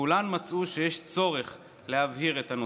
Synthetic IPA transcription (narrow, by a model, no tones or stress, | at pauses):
ulanmat͡suʃe̞jeʃt͡so̞ʁe̞χ | le̞havhiʁet̪ano